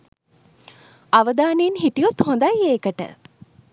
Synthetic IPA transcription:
aʋəd̪aːnejinɦiʈijut̪hõnd̪ajeːkəʈə̰

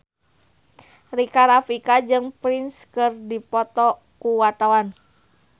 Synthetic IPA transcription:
rikaɾafikad͡ʒɨŋpɾinskɨrdipɔt̪ɔ | kuwat̪awan

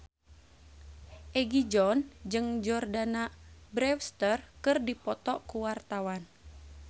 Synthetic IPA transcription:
ʔɛɡid͡ʒɔnd͡ʒɨŋd͡ʒɔrdanabɾɛfst̪ərkɨrdipɔt̪ɔkuwart̪awan

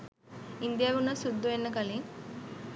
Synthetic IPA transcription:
ind̪jaʋunɐsud̪ːuenːɐkɐli

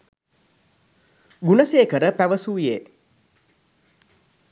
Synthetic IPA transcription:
ɡunəseːkəɾəpæʋəsuːijeː

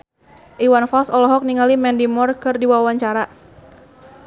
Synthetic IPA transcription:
ʔiwanfalsɔlɔɦɔk̚niŋalimɛndimɔrkɨrdiwawaɲt͡ʃaɾa

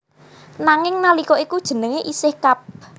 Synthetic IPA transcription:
naŋɪŋnalikoikud̥ʒ̥ə̤nəŋeʔisɪhkap̚

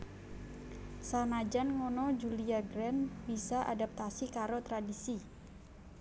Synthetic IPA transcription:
sanad͡ʒanŋɔnɔd͡ʒuliaɡɾɛnbisaʔa̰dap̚t̪asikaɾot̪ɾadisi

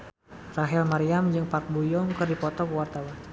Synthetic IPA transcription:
raɦɛlmaɾiamd͡ʒɨŋpak̚bujɔŋkərdipɔt̪ɔkəwart̪awan

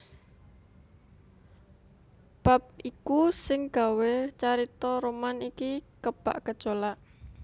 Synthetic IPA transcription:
b̥ap̚ikusɪŋɡ̥a̤wet͡ʃaɾit̪ɔɾomanikikəb̥a̰ʔkə̥t͡ʃolaʔ

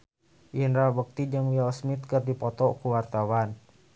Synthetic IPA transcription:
ʔjənrabək̚t̪id͡ʒəŋwialsmit̪kərdipɔt̪ɔkuwart̪awan

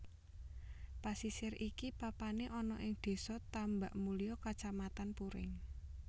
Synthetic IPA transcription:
pasisɪrʔikipapaneʔɔnɔʔɪŋd̪̥e̤sɔt̪ambaʔmulijɔkat͡ʃamat̪anpuɾɪ̰ŋ

